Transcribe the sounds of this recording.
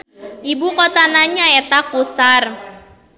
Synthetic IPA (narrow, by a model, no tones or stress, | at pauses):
ʔibukɔt̪anaɲaet̪akusar